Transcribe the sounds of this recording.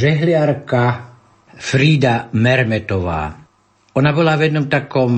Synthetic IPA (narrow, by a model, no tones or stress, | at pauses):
ʒɛɦlɪaɾka | fɾiːd̪amɛɾmɛt̪ɔʋa̰ː | ɔnabɔlavjɛd̪nɔmt̪akɔm